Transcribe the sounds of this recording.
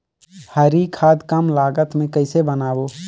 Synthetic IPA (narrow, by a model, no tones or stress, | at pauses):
həɾikʰaːd̪kəmlaːɡət̪mẽkəɪsebənaːboː